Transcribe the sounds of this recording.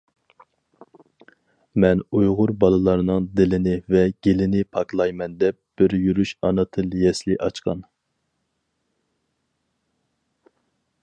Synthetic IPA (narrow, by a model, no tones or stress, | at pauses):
mɛnujʁʊɾbɑlˠɨlˠɑɾnɨŋd̪ɪlɪnɪvɛɡʲelɪnɪpʰɑklˠɑjmɛnd̪ɛp̚b̥ɪɾjyɾyʃɑnɨt̪ʰɨlˠjɛslɪʔɑt͡ʃqʰɑ̰n